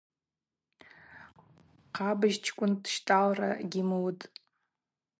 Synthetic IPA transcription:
qʰabɨʒt͡ʃʰkʷʼʊntʃtʼalra̰ɡʲimwtʼ

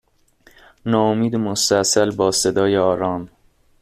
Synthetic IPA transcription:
nɒːomiːd̪emost̪æsælbɒːse̞d̪ɒːjeɒːɾɒːn

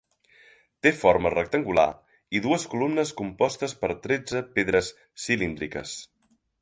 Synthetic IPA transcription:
t̪efoɾmərək̚t̪əŋɡula̰ | iðuəskulumnəskumpɔst̪əspəɾt̪ɾed͡zəpeðɾəsː | ilind̪ɾikə̰s

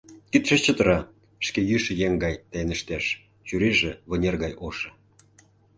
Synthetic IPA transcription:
kit̪ʃĕt͡ɕət̪ə̆ɾɑ | ʃkejyʃə̆jeŋɡɑjt̪æjnə̆ʃt̪eʃ | t͡ɕyɾiʒĕβɤ̆nʲerɣɑjoʃĕ

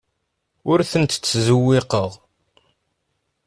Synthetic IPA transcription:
ʊɾθənt̪t͡sːzuwːɪqəʁ

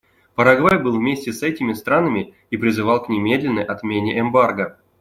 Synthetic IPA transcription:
pəɾaɡvajbɨlˠvmʲesʲtʲɪsɛtʲɪmʲɪst̪ɾanəmʲɪ | ipɾʲɪzɨvalˠknʲɪmʲed̪ʲlʲɪnːəjʔat̪mʲenʲɪʔɛmbarɡə

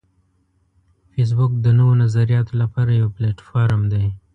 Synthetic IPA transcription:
fes̬bʊk̚d̪ənəwonazaɾijɑt̪olapɑɾajawpleʈfɑɾmd̪e

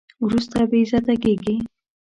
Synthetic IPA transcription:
wɾust̪abezat̪aɡeɡi

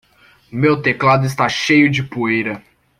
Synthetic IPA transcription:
mewt̪eklad̪ʊɪs̬t̪aʃejʊd͡ʒɪpuejɾɐ

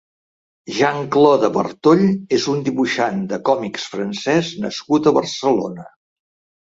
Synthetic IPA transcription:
ʒaŋklɔðəβə̰rt̪oʎezund̪iβuʃand̪əkɔmiksfɾənsɛznə̰skut̪əβərsəlo̰nə

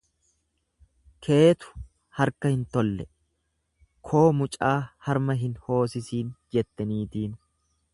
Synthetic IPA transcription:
kʰe̞ːt̪ʊ̥ | hɐɾkɐhɪnt̪ɔlːɛ | kʰo̞ːmʊt͡ʃʼaːhɐɾmɐɦɪnho̞ːsɪsiːnd͡ʒɛt̪ːɐniːt̪iːn

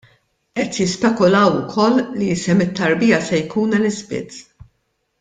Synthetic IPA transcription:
ʔɛt̪jɪspɛkʊlɐwʊkʰɔlːlisɛmɪt̪ːɐɾbɪjɐsɛjkuːnɛlɪzbɪ̰t͡sː

